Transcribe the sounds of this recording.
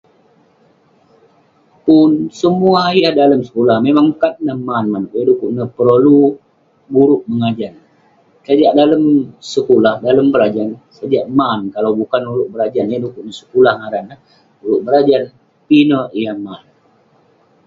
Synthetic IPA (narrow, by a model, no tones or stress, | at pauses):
pʊnsəmuajahdaləmsə̥kulahmemaŋkat̪̚nəhmanmanʔjadukuʔnəhpəɾolu | buɾʊʔ̚məŋad͡ʒan | sad͡ʒaʔdaləmsəkulahdaləmbəɾad͡ʒansad͡ʒaʔmankalawbukanuɾʊʔ̚bəɾad͡ʒanjadukuʔnəhsə̥kulahŋaɾanah | uɾʊʔ̚bəɾad͡ʒan | pinəʔjahman